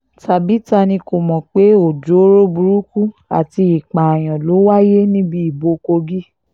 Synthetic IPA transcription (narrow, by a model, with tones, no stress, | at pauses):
tʰa˨bi˨˦ta˧nĩ˧ko˨mɔ̃˨k͡pe˨˦o˨d͡ʒo˨˦ɾo˦bu˧ɾu˦ku˦a̰˨ti˧i˨k͡pã˨j̃ɔ̃˨lo˨˦wa˦je˦nĩ˦bi˦i˨bo˧ko˧ɡi˦